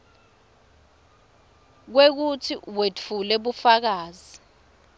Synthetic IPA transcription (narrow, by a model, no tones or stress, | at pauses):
k̬wek̬utʰiwet͡fʰulɛɓufak̬aːzi